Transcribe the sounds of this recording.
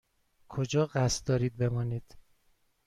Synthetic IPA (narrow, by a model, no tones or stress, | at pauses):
kʰod͡ʒɒːɣæst̪d̪ɒːɾiːd̪̚be̞mɒːniːd̪̥